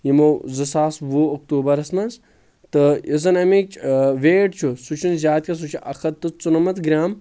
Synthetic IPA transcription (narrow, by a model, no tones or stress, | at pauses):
jimozɨsaːsʋuːɐk̚t̪uːbɐɾɐsmɐns | t̪ɨizɨnɐmit͡ʃʼʋeːʈt͡ʃʰusut͡ʃʰunzʲaːt̪̚ʲkʰʲɐs̬ut͡ʃʰiʔɐxɐt̪t̪ːɨt͡sunɐmɐt̪ɡɾʲaːm